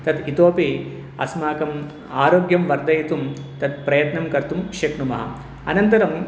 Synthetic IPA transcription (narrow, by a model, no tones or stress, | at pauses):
t̪ɐt̪it̪oːpi | ɐ̰smaːkɐm | aːɾoːɡjɐmʋɐɾd̪ɐjit̪umt̪ɐt̪̚pɾɐjɐt̪nɐmkɐɾt̪umkʂɐkɳumɐ̰ɦɐ̰ | ɐ̰nɐnt̪ɐɾɐm